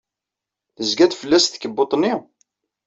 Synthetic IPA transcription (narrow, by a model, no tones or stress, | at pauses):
θəzɡæt̪fəlːæsθkəbːot̪ˤni